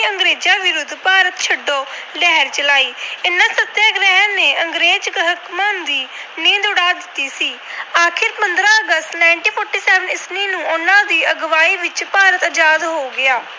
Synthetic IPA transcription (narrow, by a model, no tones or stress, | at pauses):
əŋɡɾeːd͡ʒaːʋɪɾʊd̪paːɾət̪t͡ʃʰəɖːoːlɛːɾt͡ʃəlaːiːɪnːãːsət̪ːjaːɡɾɛɦəneːʔəŋɡɾeːd͡ʒɡɦəkmãːnd̪iː | nẽːd̪ʊɽaːd̪ɪt̪ːiːsiːaːkʰɪɾpənd̪ɾãːəɡəst̪naːɪɳʈiːpʰɔːɾʈiːsɛːʋənɪsniːnũːʊnãːd̪iːəɡʋaːiːʋɪt͡ʃpaːɾət̪əd͡ʒaːd̪ɦoːɡɪaː